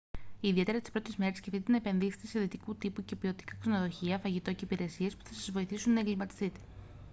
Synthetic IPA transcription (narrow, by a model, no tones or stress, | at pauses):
iːðie̞t̪eɾɐt̪ispɾo̞t̪e̞zme̞ɾescefθt̪it̪enɐepe̞nðise̥t̪ese̞ðit̪ikut̪ipuce̞pio̞t̪i̥kɐkse̞no̞ðo̞çiɐfɐʝit̪o̞ce̞ipiɾe̞siespu̥θɐsɐzvo̞iθisunːɐeŋɡlimɐt̪i̥st̪it̪e̞̥